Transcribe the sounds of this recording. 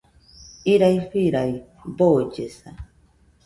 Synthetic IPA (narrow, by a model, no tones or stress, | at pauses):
iɾajɸiɾaj | bod͡ʒesa